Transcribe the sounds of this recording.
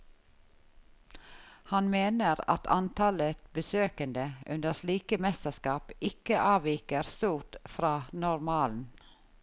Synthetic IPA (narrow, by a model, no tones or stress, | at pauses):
hɑnmeːnəɾɑ̰t̪ʰɑ̰nt̪ʰɑlət̪bəsøːkənd̪əʔʉ̰nd̪əʃliːkəmɛst̪əskɑːpɪkəʔɑːʋiːkəɾst̪uːʈfɾɑːnɔɾmɑːln̩